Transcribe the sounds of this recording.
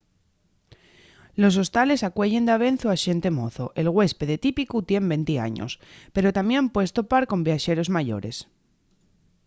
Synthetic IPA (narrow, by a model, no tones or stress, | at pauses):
lo̞s̬o̞st̪ale̞sakwe̞ʝe̞nd̪aβ̞e̞n̟θuaʃe̞nt̪e̞mo̞θoʔe̞lɣwe̞spe̞ðet̪ipikut̪je̞mbe̞nt̪ia̰ɲo̰spe̞ɾo̞t̪amjẽ̞mpwest̪o̞paɾko̞mbjaʃe̞ɾo̞zmaʝo̞̰ɾe̞̰s